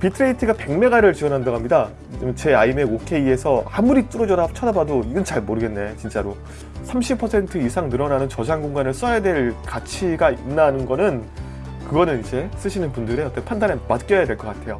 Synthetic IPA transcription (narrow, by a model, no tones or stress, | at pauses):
pitʰɯɾe̞itʰɯɡape̞ŋme̞ɡaɾɯɭt͡ɕiwʌnɦandaɡɦamɲida | t͡ɕe̞aimeokʰe̞iesʰʌamuɾit͈ɯɾʌd͡ʑʌnat͡ɕʰʌdabadoiɡɯnt͡ɕaɭmoɾɯɡe̞nːe̞t͡ɕint͡ɕ͈aɾo | sʰamɕʰipʰʌsʰe̞ntʰɯisʰaŋnɯɾʌnanɯnt͡ɕʌd͡ʑʰaŋɡoŋɡanɯɭs͈ʌjadwe̞ɭkat͡ɕʰiɡainːanɯnɡʌnɯn | kɯɡʌnɯnid͡ʑe̞s͈ɯɕʰinɯnpundɯɾe̞ʌt͈ʰʌpʰandanemat̚k͈jʌjadwe̞ɭk͈ʌk͈atʰe̞jo